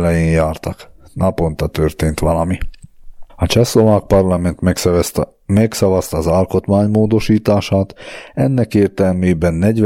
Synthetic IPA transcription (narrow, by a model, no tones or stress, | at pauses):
lɛjeːnjaːrt̪ɒknɒpo̞nt̪ɒt̪ørt̪eːnt̪ʋɒlɒmi | ɒt͡ʃɛslo̞vaːk̚pɒrlɒmɛnt̪mɛksɛvɛst̪ | mɛksɒvɒst̪ɒzɒlko̞t̪maːɲmoːd̪o̞ʃiːt̪aːʃaːt̪ɛnːɛkeːrt̪ɛlmeːbɛnːɛɟʋ